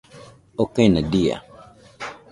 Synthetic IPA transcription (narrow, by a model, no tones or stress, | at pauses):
okanadia̰